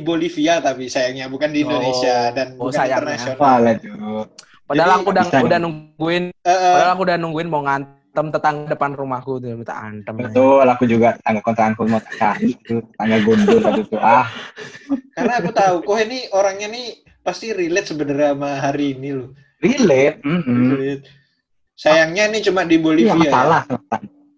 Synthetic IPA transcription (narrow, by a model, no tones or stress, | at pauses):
ibolifiat̪apisajaŋɲabukandiːndonesiadanosajarnasioalad͡ʒu | pədalaŋkudaŋkudanuŋɡuɪnəʔəədalaŋkudanuŋɡuɪnmoŋan | t̪əmt̪ət̪aŋɡadəpanrumahkut̪ut̪a̰a̰nt̪əmbət̪ʊlakud͡ʒuɡat̪ə̥t̪aŋɡakɔnt̪ɾaankumat̪ḁkaɾiʔt̪ut̪ət̪aŋɡaɡundʊlaɡut̪uʔah | karnakut̪aukʊɦinioɾaŋɲani | past̪irilɛt̪̚səbənəɾamaɦaɾiːnilʊh | rilɛt̪̚m̩t̪̚ | sajaŋɲanit͡ʃumadiboliaiasalahslat̪aŋ